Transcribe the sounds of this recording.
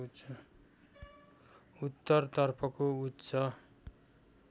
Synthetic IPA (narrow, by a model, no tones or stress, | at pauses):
ut̪ːʌrt̪ʌrpʰʌkout̪ːsʰʌ